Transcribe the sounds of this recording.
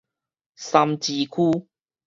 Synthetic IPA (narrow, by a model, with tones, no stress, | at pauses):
sa˧mt͡ɕi˧kʰuː˦